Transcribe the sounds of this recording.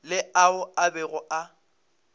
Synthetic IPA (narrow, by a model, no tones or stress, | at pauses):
lɪaʊabɛɣʊʔa